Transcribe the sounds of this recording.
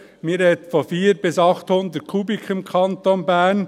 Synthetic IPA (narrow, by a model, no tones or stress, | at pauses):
miːɾɛt̪fɔfiːɾbɪsɑχt̪hʊnd̪ət̚kʰubikʰɪmkʰɑnt̪onbæːn